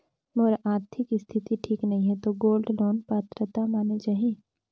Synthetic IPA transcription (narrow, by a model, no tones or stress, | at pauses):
moːɾʔaːɾt̪ʰɪkist̪ʰɪt̪iʈʰiːknɐɦĩɦɛt̪oɡoːlɖloːnpat̪ɾət̪amaːned͡ʒaɦĩː